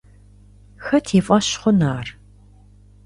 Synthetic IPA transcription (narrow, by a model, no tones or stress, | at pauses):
xɐtʰeːfʼɐɕχʷʊnaːr